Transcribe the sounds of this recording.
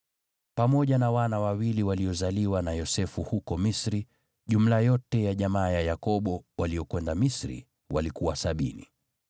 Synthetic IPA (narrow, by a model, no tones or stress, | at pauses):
pamɔʄanawanawawiliwaliɔzaliwanajɔsɛfuhukɔmisɾi | ʄum̩lajɔtɛjaʄamaːjajakɔɓɔwaliɔkwɛndamisɾḭ | walikuwasaɓinḭ